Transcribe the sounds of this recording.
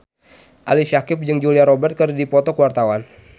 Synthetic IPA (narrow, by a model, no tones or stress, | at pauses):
ʔalisakɪp̚d͡ʒɨŋd͡ʒuliaɾɔbɛrt̪̚kərdipɔt̪ɔkəwart̪awan